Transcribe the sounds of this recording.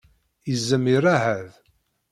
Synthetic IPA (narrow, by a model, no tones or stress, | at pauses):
jəzːəmiɾaɦæð